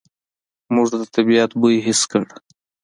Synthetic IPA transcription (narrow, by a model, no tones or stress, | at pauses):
mʊʐd̪ad̪ət̪abijat̪buɦɪskəɽ